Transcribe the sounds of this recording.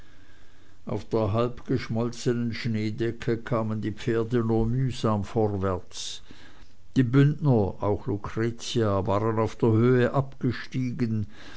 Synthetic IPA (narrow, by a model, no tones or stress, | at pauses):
ʔa̰ʊfd̥eːɐɦalpɡ̥əʃmɔlt͡sənənʃneːdɛkʰəkʰaːməndiːp͡feːɐdənuːɐmyːzaːmfɔʁvɛɐt͡s | d̥iːbʏnnɐaʊxlukʁ̥et͡siavaːʁənaʊfd̥eːɐhøːəʔapɡ̥əʃtiːɡən